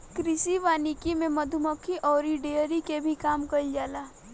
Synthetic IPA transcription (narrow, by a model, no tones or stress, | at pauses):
kɾɪsiʋaːnikimẽmɐd̪ʱuməkʰiʔɔːɾiɖeəɾikebʱikaːmkɐid͡ʒaːlaː